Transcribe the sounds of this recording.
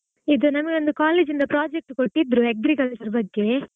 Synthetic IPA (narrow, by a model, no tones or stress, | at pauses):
ɪðɯnɐmːɐkʲʋɐnd̪ɯkaːleːd͡ʒɪnd̪ɐpɾaːd͡ʒɛk̚ʈkɔʈːid̪ɾuɛɡɾɪkɐlt͡ʃɐɾbɐɡːeː